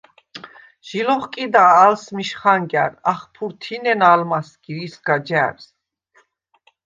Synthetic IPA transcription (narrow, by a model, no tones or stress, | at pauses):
ʒ̥ilɔχkʼid̪aːlsmiʃχaŋɡa̰ɾaχpʰuɾt̪ʰinɛnalmasɡ̥iɾisɡ̥ad͡ʒaɾs